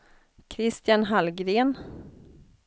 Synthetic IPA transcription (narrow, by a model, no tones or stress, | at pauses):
kʰɾɪst̪janɦalɡɾeːn